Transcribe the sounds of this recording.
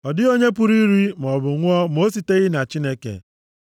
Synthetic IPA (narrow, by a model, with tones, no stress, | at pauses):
ɔ˨dɪ˦o˦ɲe˦pʊ˦ɾi˦ɾi˦m˨ɔ˨bʊ˨ŋʷʊ˦ɔ˦m˦o˦s̬i˨te˦ɣɪ˦na˨t͡ʃi˦ne˦kḛ˨